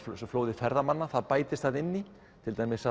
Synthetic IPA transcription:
floːwðɪfɛɾðamanːaθaðpaːjt̪ɪst̪θaðɪnːi | t̪ʰɪlt̪aːjmɪsa

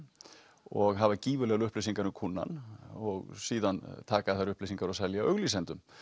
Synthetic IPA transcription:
ɔɣɦavaciːvʏlɛɣʏhplejs̬iŋkaɾʏmkʰunːa̰nɔɣsiːðant̪ʰaːkaðθaɾʏhplejsiŋkaɾɔsɛljaʔœɣlis̬ɛnt̪ʏm

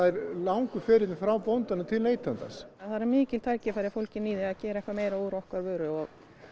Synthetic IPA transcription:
aɛɾlawŋkʏfɛːɾɪt̪nɪfɾawpownt̪anʏt̪ʰɪlneːjt̪lant̪a̰saθaðɾaɾmɪːcɪlt̪ʰaɾcɪfajɾɪfowlcɪnːiːðɪaðcɛːɾaɛhkvaɾmeːjɾauɾɔhkvaɾvœːɾʏɔɣ

